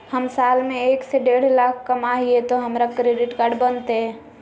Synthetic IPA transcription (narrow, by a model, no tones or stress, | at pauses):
həmsaːlmẽeːkseɖeːɽ̤laːkʰkəmaːɦiet̪oɦəmɾakɾeɖɪʈkaːɾɖbənt̪eɦɛ̃